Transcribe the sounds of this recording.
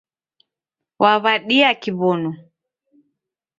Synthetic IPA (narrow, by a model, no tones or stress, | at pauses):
wʔaβaɗiakiβɔnɔ